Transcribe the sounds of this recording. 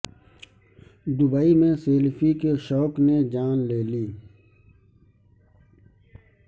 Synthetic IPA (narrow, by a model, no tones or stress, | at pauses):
d̪ʊbaːimẽseːlfikeʃɔːkned͡ʒaːnleːliː